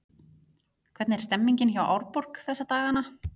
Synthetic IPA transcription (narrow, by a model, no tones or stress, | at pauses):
kʰvɛɾt̪nɛɾ̥st̪ɛmːiɲcɪnçawʔa̰wɾpɔr̥kθɛsːat̪aːɣana